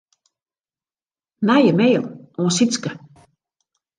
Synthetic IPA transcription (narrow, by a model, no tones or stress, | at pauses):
najəmeːlˠʔɔ̃ːsiskə